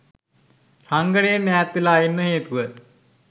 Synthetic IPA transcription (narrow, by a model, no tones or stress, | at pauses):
raŋɡəɽeːnɛːt̪ʋilaːinːəɦeːt̪uʋət̪